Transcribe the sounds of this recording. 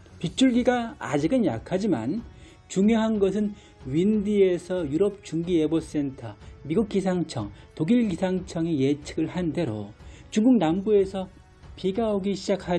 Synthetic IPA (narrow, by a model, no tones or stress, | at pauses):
pit͡ɕʰuɭɡiɡa̰ːd͡ʑiɡɯnja̰kʰad͡ʑima̰n | t͡ɕuŋjoɦanɡʌs̬ʰɯn | ɥindiesʰʌjuɾʌp̚t͡ɕuŋɡiebos͈e̞ntʰʌmiɡuk̚k͈is̬ʰaŋt͡ɕʰʌ̰ŋtoɡiɭɡisʰaŋt͡ɕʰʌŋejet͡ɕʰɯɡɯɭhande̞ɾo̰t͡ɕuŋɡuk̚nambue̞sʰʌ | piɡaoɡiɕʰid͡ʑak̚ʰa